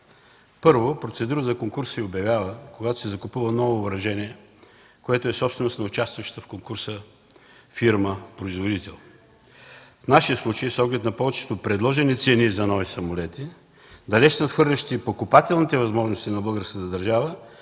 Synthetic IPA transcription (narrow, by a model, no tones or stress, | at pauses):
pɤɾvopɾot̪sɛd̪uɾəzɐkoŋkuɾsiobjɐvʲjavəkoɡat̪o̥sɛzɐkʊpuvənɔvovɾɐʒɛniɛ | koɛt̪oɛsɔpsvɛnosnɐʊt͡ʃast̪vəʃt̪t̪əfkoŋkuɾsə | fiɾməpɾoizvod̪it̪ɛlˠ | fnaʃijəslˠut͡ʃəjisɔɡlʲɛt̪nɐpɔvɛt͡ʃɛ̥t̪opɾɛd̪lˠɔʒɛnit̪sɛnizɐnɔvisɐmolɛt̪i | d̪ɐlɛʃnɐt̪xɤɾlʲɐʃt̪ipokʊpat̪ɛlˠnit̪ɛvɐzmɔʒnost̪inɐbɤlˠɡəɾskət̪əd̪ɐɾʒavə